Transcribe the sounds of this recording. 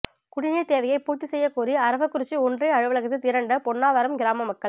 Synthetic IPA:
kʊɽɪniːt̪eːʋɐjɐɪpuːt̪ːisɛjːɐkuːɾiɐɾɐʋɐkːʊɾɪt͡ʃːiɔndrɐɪɐɻɯʋɐɭɐɣɐt̪ːɯt̪ɪɾɐɳɖɐpɔɳːaːʋɐɾɐmɡɪɾaːmɐmɐkːɐɭ

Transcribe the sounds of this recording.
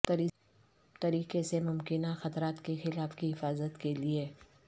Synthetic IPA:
t̪ɐɾiː | t̪ɐɾiːqesemʊmkɪnaxɐt̪ɾaːt̪kexɪlaːfkiɦɪfaːzət̪kelie

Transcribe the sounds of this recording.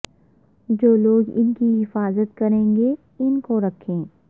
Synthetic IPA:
d͡ʒoːloːɡɪ̰nkiɦɪfaːzət̪kɐɾẽːŋɡe | ʊnkoɾɐkʰẽː

